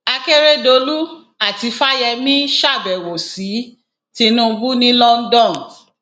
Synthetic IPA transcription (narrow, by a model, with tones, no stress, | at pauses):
a˧ke˦ɾe˦do˧lu˦ | a˦˨ti˧fa˦jɛ˧mĩ˦ʃa˦˨bɛ˨wo˨si˨˦ | ti˧nũ˦˧bu˦nĩ˦lɔ˦n̩˦dɔ̃˦˨n